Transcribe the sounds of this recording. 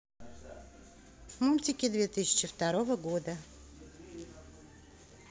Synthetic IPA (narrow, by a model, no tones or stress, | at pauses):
mulʲtʲɪkʲɪd̪vʲet̪ɨɕʲɪ̥t͡ɕɪft̪ɐɾovəɡod̪ə